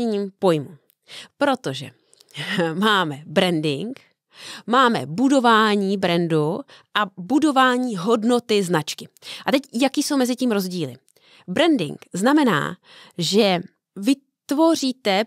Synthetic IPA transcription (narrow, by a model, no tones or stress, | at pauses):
ɛɲiːmpo̞jmṵ | pɾo̞t̪o̞ʒɛ̰ | maːmɛbɾɛndɪŋk | maːmɛ̰budo̞vaːɲiːbɾɛndu | ʔabudo̞vaːɲiːɦo̞dno̞t̪ɪznat͡ʃkɪʔat̪ɛcjakiːso̞wmɛzɪciːmɾo̞zɟiːlɪ̰ | bɾɛndɪ̰ŋkznamɛna̰ː | ʒɛ | vɪ | t̪vo̞r̝iːt̪ɛ